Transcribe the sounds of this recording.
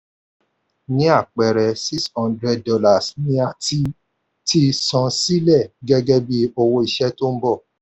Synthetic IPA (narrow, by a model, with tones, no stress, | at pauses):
nĩ˦a˦˨k͡pɛ˨ɾɛ˨si˦shɔ̃˦ndɾɛ˧d̚dɔ˧la˨snĩ˧˦a˨ti˧ | ti˧sɔ̃˨˦si˦lɛ˦˨ɡɛ˧ɡɛ˦bi˧o˧wo˧i˨ʃɛ˦to˦m̩˦bɔ˦˨